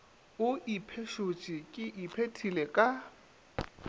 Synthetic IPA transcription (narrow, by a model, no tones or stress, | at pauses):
ʊʔipʰeʃot͡ʃʼikʼɪʔipʰetʰilekʼa